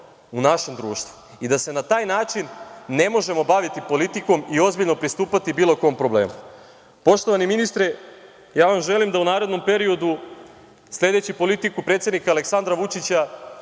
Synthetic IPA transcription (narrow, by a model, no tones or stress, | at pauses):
unaʃe̞md̪ɾuːʃt̪ʋu̥ | id̪ase̞nat̪aːjnaːt͡ʃinːe̞mo̞ʒe̞mo̞baʋit̪ipo̞lit̪iko̞mio̞zbiʎno̞pɾist̪uːpat̪ibiːlˠo̞ko̞ompɾo̞ble̞̰ːmu | po̞ʃt̪oʋaniminist̪ɾe | jaːʋamʒe̞limd̪aunaːɾe̞d̪no̞mpe̞ɾio̞d̪u | slʲe̞d̪e̞t͡ɕipo̞lit̪ikupɾet̪sʲe̞d̪nikaleksand̪ɾaʋut͡ʃit͡ɕa